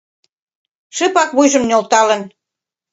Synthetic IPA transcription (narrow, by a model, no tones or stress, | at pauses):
ʃəpɑkβujʒə̆mnʲolt̪ɑlə̆n